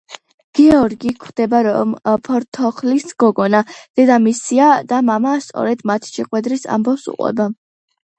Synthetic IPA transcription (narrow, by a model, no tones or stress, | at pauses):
ɡ̥ɛɔɾɡikʰd̪̥ɛbaɾɔmpʰɔɾt̪ʰɔχlisɡ̥ɔɡɔnad̪̥ɛd̪amisiad̪̥amamast̪sʼɔ̰ɾɛd̪mat̪ʰʃɛqʼwɛd̪ɾisa̰mbɔfsṵqʼwɛ̰ba